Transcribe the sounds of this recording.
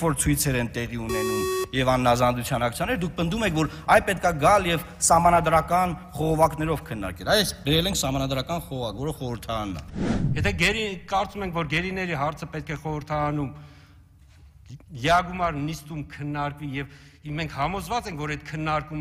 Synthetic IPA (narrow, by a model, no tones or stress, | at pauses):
vɔɾt͡sʰujt͡sʰɛɾɛnt̪ɛʁiunɛnumjɛvɑnːɑzɑnd̪ut͡sʰjɑnɑk̚t͡sʰjɑnɛɾd̪uk̚ʰpənd̪umɛkʰvɔɾɑjpɛt̪̚kɑɡɑljɛv | sɑɦmɑnɑd̪ɾɑkɑnχɔʁɔvɑknɛɾɔvkʰənːɑ̰ɾkɛlɑjɛsbɛɾɛlɛŋkʰsɑmɑnɑd̪ɾɑkɑnχɔʁɔvɑkvɔɾəχɔɾəɾt̪ʰɑɾɑnːɑ̰jɛt̪ʰɛɡɛɾikɑɾt͡sumɛŋkʰvɔɾɡɛɾinɛɾiɦɑɾt͡sʰəpɛt̪̚kʰɛχɔɾəɾt̪ʰɑɾɑnum | jɛɑɡumɑɾnist̪umkʰənːɑɾkvijɛv | mɛŋkʰhɑmɔzvɑt͡sɛŋkʰvɔɾɛt̪̚kʰənːɑɾkum